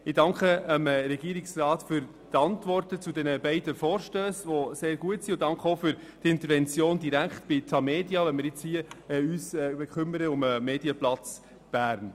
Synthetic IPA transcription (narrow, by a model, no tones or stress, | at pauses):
ɪdɑŋkχəəmɾɛɡ̥iəɾɪksrɑːtfyɾ | t̪ɑntʋɔrtət͡sudɛnəbɛɪdəfɔːɾʃtøːsʋoseːɾɡ̥uətsiʊd̥ɑŋkχəofʏɾ | d̥ɪnt̪əɾvɛnt͡sjoːndiɾækχtb̥ɪt̪ʰɑmeːdjɑʋɛnmɪɾjɪt͡shiəɛyːsɛbɛkχʏməɾəʊməmeːdiəplɑt͡s | b̥æːɾn